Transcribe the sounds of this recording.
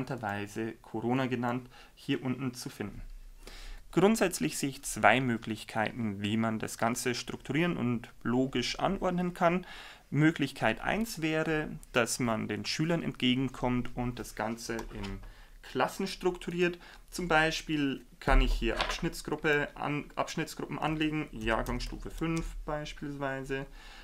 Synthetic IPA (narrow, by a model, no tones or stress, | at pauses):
ntɐvaɪzəkʰoʁoːnaɡənant | hiːɐʔʊntn̩t͡sufɪndn̩ | ɡ̥ʁʊntz̥ɛt͡slɪçz̥eːɪçt͡sv̥a̰ɪmøːklɪçkʰaɪtn̩viːmanda̰sɡ̥ant͡səʃtʁ̥ʊktʰuʁiːʁənʊ̰ntloːɡɪʃʔa̰nʔɔɐdnənkʰan | møːklɪçkʰaɪtʔa̰ɪnsv̥ɛːʁəd̥asmandeːnʃyːlɐnɛ̰nt̚ɡ̥eːɡŋ̩kʰɔmtʊnt̚d̥asɡ̥ant͡səʔɪn | kʰl̥asn̩ʃtʁ̥ʊktʰuʁiːɐt | t͡sʊmbaɪʃpiːl | kʰanɪçhiːɐʔa̰pʃnɪt͡sɡ̥ʁʊpəʔa̰nʔapʃnɪt͡sɡ̥ʁʊpm̩ʔa̰nleːɡŋ̩jaːɐɡaŋsʃtṵːfəfʏnfb̥aɪʃpiːlsv̥aɪzə